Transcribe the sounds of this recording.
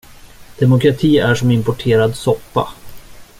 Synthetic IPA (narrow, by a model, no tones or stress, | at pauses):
d̪̥ɛmʊkɾat̪ʰiːæʂɔmɪmpɔʈʰeːɾad̪sɔpːa̰